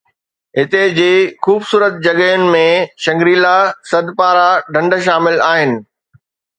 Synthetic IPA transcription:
ɦɪt̪ed͡ʑeːxuːbsuːɾət̪̚d͡ʑɐɡəʊnɪ̆mẽʃɐ̃ŋɡɾiːlasɐd̪ʱpaːɾaɖʱɐ̃ɳɖʃ̬aːmɪlaːɦɪnɪ̆

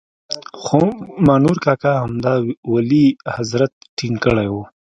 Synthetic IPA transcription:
xomaːnuɾkaːkahɐmd̪awalihazɾɐt̪̚ʈʰiŋkəɽajwu

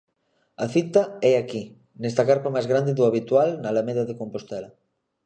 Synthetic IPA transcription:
ɐθit̪aɛaki | nɛst̪ɐkaɾpamajzɣɾand̪eðʊaβit̪walnɐlameðaðekompost̪ɛlɐ

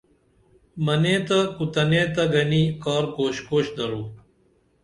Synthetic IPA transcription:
mɐneːt̪ɐkut̪ɐneːt̪ɐɡɐniːkaːɾkoːɕkoːɕd̪ɐɾuː

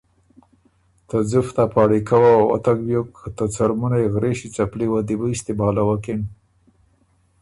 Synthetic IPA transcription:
t̪əd͡zuft̪apɑɽikawaa̰t̪akbjokʰːt̪ət͡saɾmunaeɣɾeʃit͡sapliwad̪ibəist̪ibɑlawakin

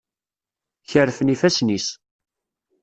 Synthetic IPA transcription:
çəɾːfənifæsnis

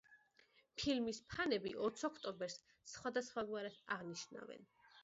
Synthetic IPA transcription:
pʰilmispʰanɛbiʔɔt̪sʰɔkʰt̪ʼɔmbɛɾs | sχwad̪asχwaɡwaɾɛt̪ʰa̰ʁniʃna̰vɛ̰n

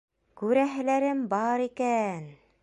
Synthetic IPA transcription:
kʉɾæɦɘ̆læɾɘmbɑɾikæn

